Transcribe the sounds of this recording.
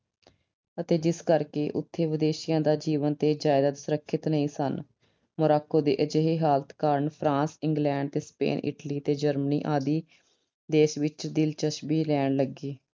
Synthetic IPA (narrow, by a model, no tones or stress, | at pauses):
ət̪eːd͡ʒɪskəɾkeːʔʊ̰t̪ʰːeːʋɪd̪eːʃɪjãːd̪aːd͡ʒiːʋənt̪eːd͡ʒaːɪd̪aːd̪sʊɾəkʰːɪt̪nəĩːsən | mʊɾaːkoːd̪ḛːʔəd͡ʒeːɦeːɦaːlət̪kaːɾəɳpʰɾãːsɪŋɡlɛ̃ːɳɖ̚t̪eːspḛːnɪ̰ʈliːt̪eːd͡ʒəɾmənḭːʔaːd̪iː | d̪eːʃʋɪt͡ʃd̪ɪlt͡ʃəʃbiːlɛːɳləɡiː